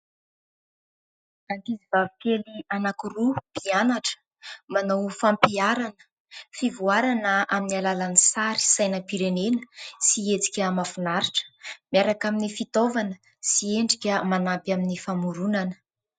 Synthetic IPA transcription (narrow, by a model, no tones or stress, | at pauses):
akizivavikʲelianakurub̥ianaʈ͡ʂə̥ | manawfampiaɾanə̥ | fivuaɾanəaminialalanisaɾi̥sajnəpiɾenenəsiet͡si̥kʲəmafunaɾiʈ͡ʂə̥miaɾakaminifit̪ovanə | sieɳɖ͡ʐikʲəmanabaminifamuɾunanə̥